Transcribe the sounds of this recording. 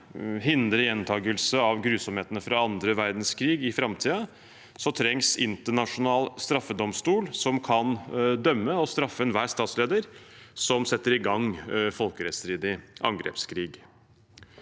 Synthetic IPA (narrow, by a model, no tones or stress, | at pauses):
ɦɪnd̪ɾəjɛnt̪ʰɑːɡəlsəɑʋɡɾʉːsɔmheːt̪ənəfɾɑɑnd̪ɾəʋæɾd̪nskʰɾiːɡɪfɾɑmt̪ʰiːə | sɔt̪ʰɾɛŋsɪnt̪əɳɑʂʊnɑːlst̪ɾɑfːəd̪ɔmst̪uːlsɔmkʰɑnd̪œmːəɔst̪ɾɑfːəɛnʋæːst̪ɑːt̪sleːd̪əɾsɔmsɛt̪ːəɾɪɡɑŋfɔlkəɾɛt̪st̪ɾiːd̪ɪʔɑ̰ŋɡɾɛ̰ːpskʰɾiːɡ